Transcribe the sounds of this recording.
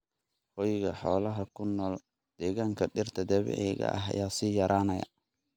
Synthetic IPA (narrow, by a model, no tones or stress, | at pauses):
hɔjɣɐħɔːlɐɦɐkʰʊnːɔːl | d̪̥ɛːɣaːŋkʰɐɖɪrt̪ʰɐd̪ɐβɛ̰ʕɛɣɐ̰ʔɐ̰ɦɐ̰jaːsiːjɐɾaːnɐjɐ̰